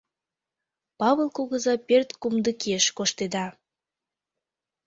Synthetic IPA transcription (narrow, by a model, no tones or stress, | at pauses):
pɑβəlˠkoɣəzɑpert̪kumd̪əkeʃkoʃt̪ed̪ɑ